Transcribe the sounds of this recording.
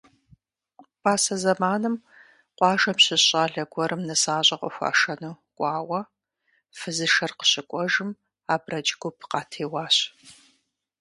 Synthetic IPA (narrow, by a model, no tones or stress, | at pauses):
paːsɐzɐmaːnɨm | qʷʼɑːʒɐmɕɪɕʼaːɮɐɡʷɔɾʔɨmnɐsaːɕʼɐqʷʼɔ̰xʷa̰ːʂɐnuː | kʷʼɑːwɐ | fɨzɨʃɐrqə̥ɕɪkʷʼɔʒɨm | aːbrɐd͡ʒʼɡʷʊpʰqɑːtʰeːwɑːɕ